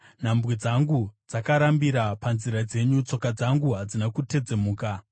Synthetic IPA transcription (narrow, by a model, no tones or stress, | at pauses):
n̤ambwid͡zaŋɡud͡zakaɾambiɾapanziɾad͡ze̞ɲut͡so̞kad͡zaŋɡuɦad͡zinakute̞d͡ze̞muːka